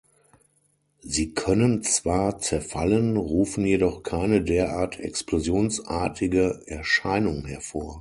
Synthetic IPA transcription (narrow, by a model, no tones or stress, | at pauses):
ziːkʰœnənt͡sv̥aːɐt͡sɛɐfalənʁuːfn̩jedɔχkʰaɪnədeːɐʔaːɐtʰɛ̰ksplozjoːnsʔaːɐtʰɪɡəʔɛɐʃaɪnʊŋhɛɐfoːɐ